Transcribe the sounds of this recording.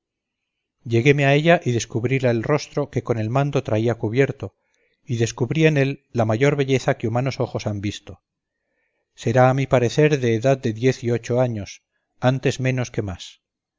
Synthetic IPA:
ʎe̞ɣe̞meae̞ʎaʔiðe̞skuβɾilaelro̞st̪ɾo̞ke̞ko̞ne̞lmãnd̪o̞t̪ɾaiakuβje̞ɾt̪o̞ | iðe̞skuβɾie̞ne̞lːamaʝo̞ɾβe̞ʎe̞θakeumano̞so̞xo̞sambist̪o | se̞ɾaːmipaɾe̞θe̞ɾðe̞ːðað̚d̪e̞ðje̞θio̞t͡ʃo̞aɲo̞s | ant̪e̞zmẽ̞no̞ske̞mas

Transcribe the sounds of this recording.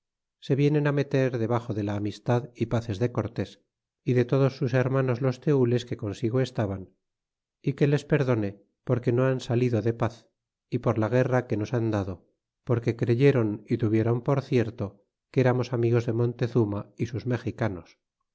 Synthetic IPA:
se̞βje̞ne̞name̞t̪e̞ɾðe̞β̞aχo̞ðe̞laːmist̪aðipaθe̞zðe̞ko̞ɾt̪e̞s | iðe̞t̪o̞ðo̞sːuse̞ɾmano̞zlo̞st̪e̞ule̞ske̞ko̞nsiɣ̞oe̞st̪aβan | ike̞le̞spe̞ɾðo̞ne̞ | po̞ɾke̞noansaliðo̞ðe̞paθ | ipo̞ɾlaɣ̞e̞rake̞no̞sand̪aðo | po̞ɾke̞kɾe̞ʝe̞ɾo̞nit̪uβje̞ɾo̞mpo̞ɾθje̞ɾt̪o | keɾamo̞samiɣ̞o̞zðe̞mõ̞nt̪e̞θumaisuzme̞xikano̞s

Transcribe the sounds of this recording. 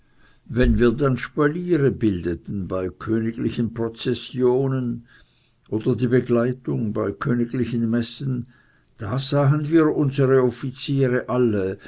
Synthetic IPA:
vɛnviːɐdanʃpaliːʁəbɪldətn̩baɪkʰøːnɪɡlɪçənpʁ̥ot͡sɛsjoːnən | ʔoːdɐdiːbəɡlaɪtʊŋbaɪkʰøːnɪɡlɪçən̩mɛsən | d̥aːzaːɦənviːɐʔʊnzəʁəɔfit͡siːʁəʔalə

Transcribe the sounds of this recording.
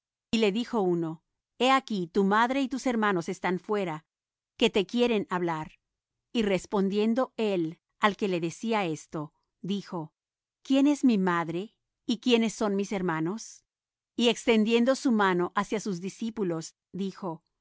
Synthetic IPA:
ile̞ðixo̞uno̞ | e̞akit̪umaðɾe̞it̪use̞ɾmano̞se̞st̪anfwe̞ɾa | ke̞t̪e̞kje̞ɾe̞naβlaɾ | ire̞spo̞nd̪je̞nd̪o̞e̞l | alke̞le̞ðe̞siae̞st̪o̞ | ðixo̞ | kje̞ne̞zmimaðɾe̞ | ikje̞ne̞sːo̞nmise̞ɾmano̞s | ie̞kst̪e̞nd̪je̞nd̪o̞sumano̞ʔasjasuzðisipulo̞z | ðixo̞

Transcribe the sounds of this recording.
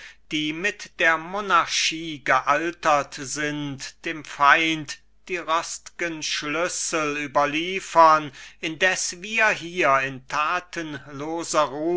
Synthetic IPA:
d̥iːmɪtd̥eːɐmonaɐʃiːɡəʔaltɐtz̥ɪntd̥eːmfaɪnt | d̥iːʁɔstɪ̥ɡ̥ənʃlʏsl̩yːbɐliːfɐnʔɪndɛsviːɐɦiːɐɪntʰaːtʰənloːzɐʁuː

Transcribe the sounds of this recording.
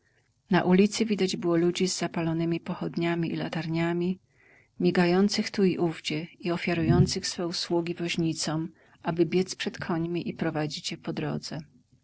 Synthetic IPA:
na̰ʔulʲit̪sɘvʲid̪ad͡ʑbɘwɔlud͡ʑizːapalɔnɘmʲipɔxɔd̪ɲamʲiḭla̰t̪aɾɲamʲi | mʲjiɡajɔnt̪sɘxt̪uiʔuvd͡ʑɛiɔfʲjaɾujɔnt̪sɘxsfɛuswuɡʲivɔʑɲit̪sɔm | ʔabɘbʲjɛt̪spʂɛt̪kʰɔɲmʲiʔipɾɔvad͡ʑit͡ɕjɛpɔd̪ɾɔ̰d̪zɛ

